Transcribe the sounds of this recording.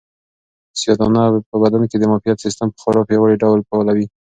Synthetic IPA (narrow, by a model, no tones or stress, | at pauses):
sjɑd̪ɑnapəbad̪anked̪əmɑfijat̪sist̪əmpə̥xaɾɑpjawaɽiɖawlpawlawi